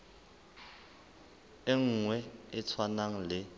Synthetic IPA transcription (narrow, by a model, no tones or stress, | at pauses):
eŋ̩ŋwɛɪt͡sʰwanaŋ̩lɪ